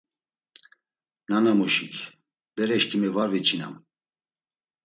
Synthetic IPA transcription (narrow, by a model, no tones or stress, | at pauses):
nanamuʃikʰ | b̥ɛɾɛʃkʰimɛvaɾvit͡ʃʰina̰m